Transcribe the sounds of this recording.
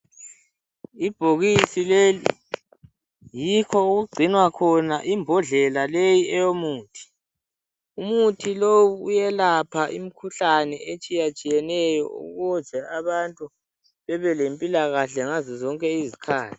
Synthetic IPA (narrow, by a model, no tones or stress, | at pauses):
ib̥ʱoɣisilelḭ | jikʰɔuɣuɡ͡ǀʱinwakʰɔnaʔimbʱɔɮɛlalejiɛjomuːtʰi̥ | umutʰilowuːjɛlapʰaʔḭm̩kʰuɬanɛet͡ʃʼijat͡ʃʼijɛnɛjɔ̰ṵɣu̥zʱɛaβantʼu | βɛβɛlempʼilaɣaɬɛŋazɔzɔŋkʼɛizikʰaːlʰi̥